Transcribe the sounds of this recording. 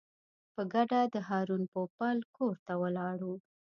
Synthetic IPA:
pəɡaɖad̪əɦɑɾunpopalkoɾt̪awəlɑɽu

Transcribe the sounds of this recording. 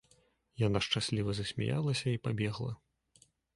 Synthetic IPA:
janaʂt͡ʂasʲlʲivɐzɐsʲmʲɛ̰ja̰lˠɐsʲɐipabʲɛɣlˠɐ̰

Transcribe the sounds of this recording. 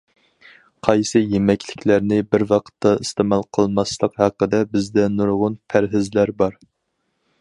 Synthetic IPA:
qʰɑjsɨjemɛkʲʰlɪkʲlæɾnɪbɪɾwɑqʰə̥t̪ʰːɑist̪ɨmɑlˠqʰəlˠmɑslˠəqhɑqːəd̪ɛbɪzd̪ɛnuɾʁʊnpʰæɾɦɪzlæɾbɑɾ

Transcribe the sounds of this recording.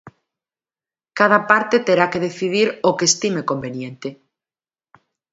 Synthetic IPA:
kað̞apaɾt̪et̪eɾakeðeθiðiɾokest̪imekombenjẽnt̪e

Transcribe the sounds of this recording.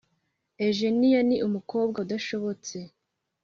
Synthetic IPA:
eʒenijaniʔumuko̞ːb̚ɡaudaʃo̞βo̞t͡se̞

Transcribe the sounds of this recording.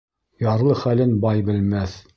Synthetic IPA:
jɑɾlˠɤχælɘnbɑjbɘ̆lmæθ

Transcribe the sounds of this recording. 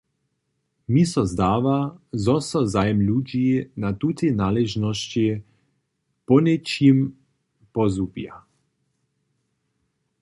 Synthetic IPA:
misɔzd̪aːʋazɔsɔzajɛmluːd͡ʒiinat̪ut̪inaːlɛʒnɔʃt͡ʃi | pɔnɛt͡ʃim | pɔzubja

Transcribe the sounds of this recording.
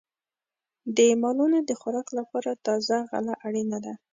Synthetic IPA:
d̪əmɑlunod̪əxʊɾɑqlapɑɾat̪ɑzaɣa̰laʔaɽinad̪a

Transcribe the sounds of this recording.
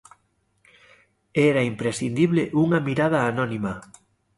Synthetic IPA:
ɛɾaimpɾesθind̪iβleʔuŋɐmiɾað̞aːnɔnima

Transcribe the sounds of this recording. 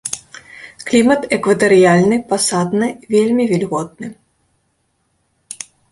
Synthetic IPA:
klʲimɐt̪ɛkvɐt̪ɐɾɨjalʲnɨpasad̪nɨvʲelʲmʲivʲɛlʲɣɔt̪̚nɨ

